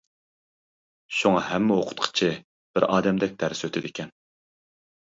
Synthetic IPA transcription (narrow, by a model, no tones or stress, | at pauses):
ʃuŋɑhɛmːɪoqʰʊ̥t̪qʰə̥t͡ʃʰɪ | b̥ɪɾɑːd̪ɛmd̪ɛk̚ʲd̪ʰæɾsøt̪ʰɪd̪ɪkʲʰɛn